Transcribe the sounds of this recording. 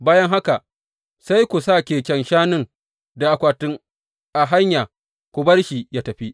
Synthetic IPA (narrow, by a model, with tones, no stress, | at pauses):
baː˦jɐ˦ŋɦa˦ka˨ | sa˦jkʷu˨saː˦˨kʲeː˨kʲɛ˨nʃaː˦nɪ˦ŋ | da˨ʔa˨kʷaː˨tʊ˦ŋ | ʔa˨ɦa˦ɲjaː˨ | kʷu˨bɐ˦rʃi˨jaː˦tɐ˨ɸi˦ʔ